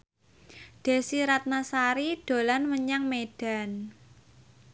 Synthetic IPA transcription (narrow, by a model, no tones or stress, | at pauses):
d̥e̤siɾat̪̚nasaɾiɖ̥o̤lanməɲaŋmeɖ̥a̤n